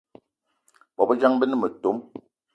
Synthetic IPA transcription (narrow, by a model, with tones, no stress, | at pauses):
bɔ˨bə˦d͡ʒa˦ŋbə˦nə˦mə˨to˨˦m